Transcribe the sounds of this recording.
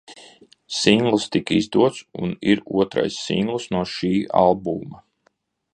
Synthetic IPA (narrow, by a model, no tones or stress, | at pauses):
siŋɡlˠst̪ikizd̪uɔt̪sṵniɾuɔt̪ɾa̰jsːḭŋɡlˠsnuɔʃiːa̰lˠbumɐ